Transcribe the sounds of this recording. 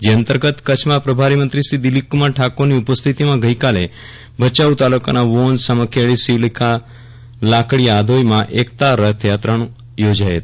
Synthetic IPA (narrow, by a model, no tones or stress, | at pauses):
d͡ʒeənt̪əɾɡət̪kət͡ʃʰmãpɾəbʱaɾimənt̪ɾisid̪ilikːumaɾʈʰakoɾniupəst̪ʰit̪imãɡəjkale | bʱət͡ʃaut̪aluka̰naʋonsaməkʰeɭisiʋlikʰa | lakɽiad̪ʱojmãʔekt̪aɾət̪ʰjat̪ɾanũ | jod͡ʒajet̪